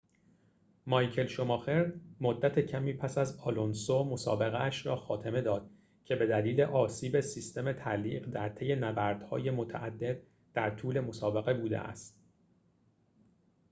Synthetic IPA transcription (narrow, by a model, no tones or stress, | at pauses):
mɒjcʰe̞lʃo̞mɒːxe̞ɾd̪mod̪ːæt̪ʰe̞cʰæmiːpʰæsæzɒlonsomo̞sɒ̰ːbe̞ɣeæʃɾɒːxɒːt̪ʰe̞me̞d̪ɒːd̪̥ | cʰe̞be̞d̪æliːle̞ʔɒːsiːbesist̪e̞me̞t̪ʰæliːɢd̪æɾt̪ʰe̞je̞næbæɾd̪̥hɒ̰ːje̞mo̞t̪ʰæʔæd̪ːe̞d̪ | d̪̥æɾt̪ʰuːle̞mo̞sɒːbe̞ɣe̞buːd̪ḛʔæ̰st̪